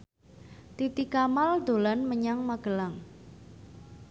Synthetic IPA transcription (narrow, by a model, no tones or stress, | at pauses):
t̪it̪ikamald̪̥o̤lanməɲaŋmaɡ̥ə̤laŋ